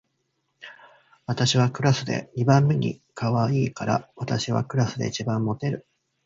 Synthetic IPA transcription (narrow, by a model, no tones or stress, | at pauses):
βat̪aɕiβ̞akɯ̟ɾasɨd̪e̞̰ɲ̟ibãmːe̞ɲ̟ḭkaβaiːkaɾa̰βat̪aɕiβa̰kɯ̟ɾasɨd̪e̞̰it͡ɕibãmːo̞t̪e̞ɾɯ̟